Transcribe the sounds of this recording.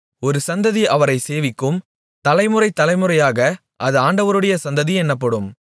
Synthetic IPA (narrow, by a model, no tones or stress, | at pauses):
ɔɾɯsɐnd̪ɐðiʔɐʋɐɾɐɪseːʋɪkːɯm | t̪ɐlɐɪmɯɾɐɪt̪ːɐlɐɪmɯɾɐjaːɣɐ | ʔɐðɯaːɳɖɐʋɐɾɯɽɐjɐsɐnd̪ɐðiɛnːɐpːɐɽɯm